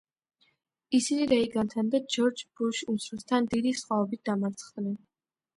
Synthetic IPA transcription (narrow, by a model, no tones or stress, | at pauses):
isiniɾɛiɡant̪ʰand̪ad͡ʒɔɾd͡ʒbuʃumsɾɛst̪ʰand̪id̪isχwaɔbit̪̚d̪amaɾt̪sʰχd̪nɛn